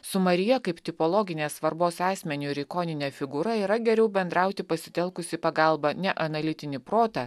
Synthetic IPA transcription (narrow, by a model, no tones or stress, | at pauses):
sʊmɐɾʲɪjɛkɐɪpt̪ʲɪpoːlˠɔːɡʲɪnʲeːsʋɐɾboːsɑːsʲmʲɛnʲuɪɾʲɪkɔːnʲɪnʲeːfʲɪɡuːɾɐiːɾɐɡʲɛɾʲɛʊbʲɛnd̪ɾɑˑʊt̪ʲɪpɐsʲɪ̥t̪ʲɛlˠkʊsʲɪpɐɡɑlˠbɐnʲɛʔɐnɐlʲɪt̪ʲɪnʲɪpɾoːt̪ɐ